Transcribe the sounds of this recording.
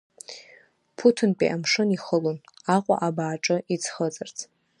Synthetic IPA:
pʰutʰɨnpʼḭʔamʂɨniχəlonaqʷʼa̰ʔabaːʈ͡ʂʼɨit͡sʰχət͡sʼɨrt͡sʰ

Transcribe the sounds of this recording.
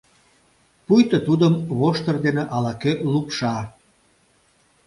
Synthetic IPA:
pujt̪ət̪ud̪əmβoʃt̪ərd̪eneʔɑlɑkølupʃɑ

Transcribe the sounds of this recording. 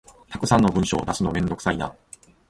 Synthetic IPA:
t̪akɯ̟sãnːo̞bɯ̟̃ɰ̃ɕo̞̰ːd̪asɨno̞mẽ̞nd̪o̞kɯ̟̥said̪a̰

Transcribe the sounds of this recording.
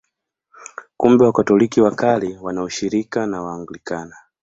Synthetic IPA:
kumbɛwakatɔlikiwakaliwanauʃiɾikanawaːŋɡulikana

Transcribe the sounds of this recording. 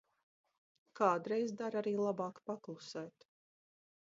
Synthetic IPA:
kaːd̪ɾejzd̪aɾaɾiːlˠabɑːkpaklˠusɛːt̪

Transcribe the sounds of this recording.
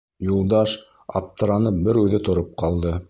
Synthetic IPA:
julˠd̪ɑʃ | ɑ̰p̚t̪ɤ̆ɾɑnɤp̚bɘɾʉðɘt̪ŏɾop̚qɑlˠd̪ɤ

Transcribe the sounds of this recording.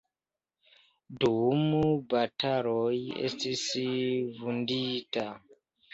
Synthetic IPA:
dumubataɾojḛstisivundita

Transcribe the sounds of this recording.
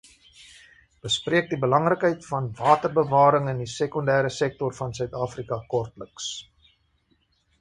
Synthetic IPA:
b̥əspriək̚dibəlɐŋrəkɦəjtfɐnvɑːtərbəvɑːɾəŋəndisekɔndæːɾəsɛk̚tɔrfɐnsœɥtɑːfrikɐkɔrtləks

